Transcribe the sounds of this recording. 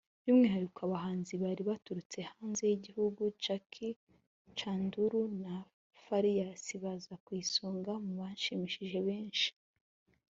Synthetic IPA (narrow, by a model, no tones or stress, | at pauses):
βimŋiːhaɾikaβaɦaːnziβaɾiβatuɾut͡se̞haːnze̞jiɟihuɡut͡ʃakʰi | t͡ʃaːnduɾuna | faɾijasiβazakwiːsuːŋɡamuβanʃimiʃiʒe̞βe̞ːnʃi̥